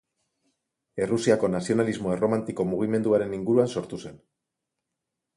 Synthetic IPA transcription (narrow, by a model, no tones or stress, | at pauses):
e̞rusiako̞nasio̞nalizmo̞ero̞mant̪iko̞muɣ̞ime̞nd̪uaɾe̞niŋɡuɾuanso̞ɾt̪use̞n